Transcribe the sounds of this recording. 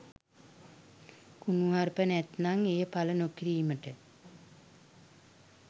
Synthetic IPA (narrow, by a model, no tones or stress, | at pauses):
kunuɦarpənɛt̪naŋejəpalənokiɾiːməʈə